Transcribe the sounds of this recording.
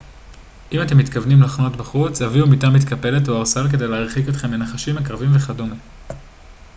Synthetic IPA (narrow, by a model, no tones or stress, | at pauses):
ʔimate̞mːitkavnimlaχno̞tbaχut͡shaviumitamit̪kape̞le̞toaʁsalk̬e̞de̞jleaʁχiko̞t̪χe̞mlenaχaʃimakʁavimveχadome